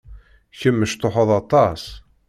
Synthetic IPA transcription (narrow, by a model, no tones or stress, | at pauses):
çəmːəʃt̪oħɑðˤɑt̪ˤɑs